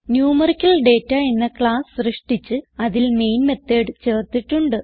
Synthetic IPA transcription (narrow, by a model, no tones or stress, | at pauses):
njuːmɐrikʲːɐlɖe̞ːtːɐe̞nːɐkɭaːssrɨʂʈit͡ɕːɨɐðilme̞jnme̞t̪ːeːɖt͡ɕe̞ːrt̪ːiʈːuɳɖɨ